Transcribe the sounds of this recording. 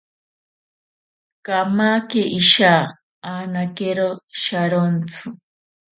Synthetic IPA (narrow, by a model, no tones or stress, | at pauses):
kamakeʔiʃaː | aːnakeɾoʃaɾont͡sʰɨ